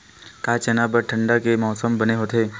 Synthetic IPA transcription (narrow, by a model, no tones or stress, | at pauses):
kaːt͡ʃɛnabəɾʈʰə̃ɳɖakemɔːsəmbɐneɦoːt̪eː